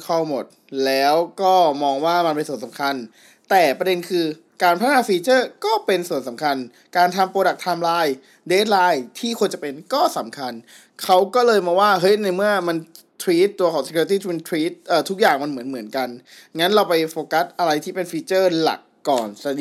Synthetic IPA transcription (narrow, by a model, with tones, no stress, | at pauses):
kʰa˥˩wmo˨˩t̪̚lɛː˦˥wkɔː˥˩mɔː˧ŋwaː˥˩ma˧npe˧nsu˩ənsa˩˦ŋkʰa˧n | t̪ɛː˨˩pɾa˧de˧nkʰɯː˧ | kaː˧npʰa˦˥naː˧˩fiː˧t͡ɕɤː˥˩kɔː˥˩pe˧nsu˨˩ənsa˩˦mkʰa˧n | kaː˧nt̪ʰa˧mpɾoː˧da˨˩k̚t̪ʰaː˧mlaː˧˥j | deː˦˥t̪̚laː˧˥jt̪ʰiː˥˩kʰu˧nt͡ɕa˨˩pe˧nkɔː˥˩sa˨˩˦mkʰa˧n | kʰa˦˥wkɔː˥˩lɤː˧jmɔː˧waː˥˩ɦɤ˦˥jna˧jmɯ˥˩ɐma˧nt̪ʰwiː˦˥t̪ːu˧ɐkʰaː˩˦ŋse˧kːt̪iː˥˩t̪ʰu˦˥pe˧t̪ʰwiː˦˥t̪̚ʔɤː˨˩t̪ʰu˦˥k̚jaː˨˩ŋma˧nmɯ˩˦ənmɯ˩˦ənka˧nŋa˦˥nɾa˧wpa˧jfoː˧ka˦˥s̚ʔa˧ɾa˧jt̪ʰiː˥˩pe˧nfiː˧t͡ɕɤː˥˩la̰˨˩kːɔː˨˩nsa˧